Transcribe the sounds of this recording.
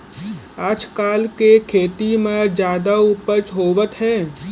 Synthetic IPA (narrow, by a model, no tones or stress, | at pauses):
at͡ʃkaːlkekʰeːt̪imẽd͡ʒjaːd̪aʊpət͡ʃɦoːʋət̪ɦɛ̃ː